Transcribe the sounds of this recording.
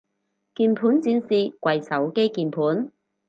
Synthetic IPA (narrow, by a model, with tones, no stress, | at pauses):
kiː˧npʰuː˨˥nt͡siː˧nsiː˧kwɐ˨jsɐ˨˥wke˥jkiː˨˩npʰuː˨˥n